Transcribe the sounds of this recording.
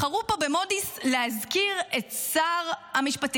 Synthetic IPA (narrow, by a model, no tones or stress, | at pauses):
aʁupo̞be̞mo̞dislehazkiʁetsaʁamiʃpat